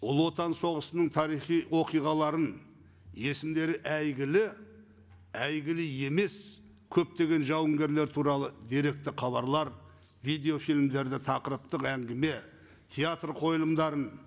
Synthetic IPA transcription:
ʊlˠwo̞t̪ɑnso̞ʁəsənəɴt̪ʰɑɾijχijwo̞qijʁɑlˠɑɾən | je̞sɪmd̪e̞ɾɪʔæjɡʲɪlɪ | æjɡʲɪlɪje̞me̞s | kʲʰɵp̚t̪e̞ɡʲe̞nʒɑwəŋɡʲe̞ɾle̞ɾt̪ʰuɾɑlˠəd̪eɾe̞k̚t̪ɪqʰɑβɑɾlˠɑɾ | vijd̪e̞o̞filmd̪e̞ɾd̪ɪt̪ʰɑqəɾəp̚t̪əqæŋɡʲɪme̞ | t̪ʲʰeat̪rqʰo̞jlˠəmd̪ɑɾən

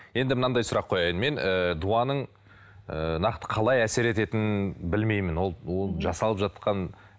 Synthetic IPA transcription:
je̞nd̪ɪmənɑd̪ɑjsʊɾɑqʰːo̞jɑjənme̞nəd̪uɑnəɴ | ənɑqt̪ə̥qʰɑlˠɑjæse̞ɾe̞t̪e̞t̪ɪnbɪlme̞jmɪnwo̞lˠwolˠʒɑsɑlˠəpʒɑt̪̚qɑn

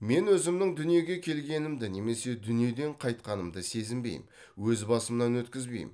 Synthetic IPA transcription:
me̞nwɵzɪmnɪŋd̪ʏnije̞ɡʲe̞kʲʰe̞lɡʲe̞nɪmd̪ɪne̞me̞se̞d̪ʏnije̞d̪e̞ɴqʰɑjt̪̚qɑnəmd̪əse̞zɪmbe̞̰jɪ̰m | wɵzbɑsəmnɑnwɵt̪kʲɪzbe̞jɪ̰m

